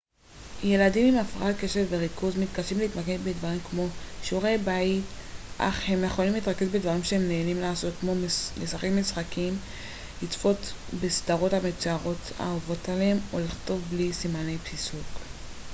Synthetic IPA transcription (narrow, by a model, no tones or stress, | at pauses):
je̞ladimimafʁalke̞ʃe̞vːe̞ʁikuzmit̪kaʃimleitmake̞dbedvaʁimkmo̞ʃuʁe̞jbaitʔa̰χhe̞mjeχo̞limleiːtʁake̞zbedvaʁimʃehemneːlimlaːso̞tkmo̞lesaχekmisχakim | lit͡sfo̞tbesdaʁo̞thamet͡saʁo̞ta̰ovo̞talemoliχto̞vblisimane̞jpisuk